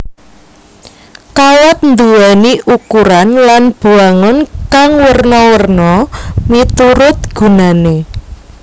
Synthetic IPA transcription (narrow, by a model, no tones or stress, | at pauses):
kawat̪̚nd̪uwaniukuɾanlanb̥uaŋɔnkaŋwərnɔwərnɔmit̪uɾʊt̪̚ɡ̥ṳnane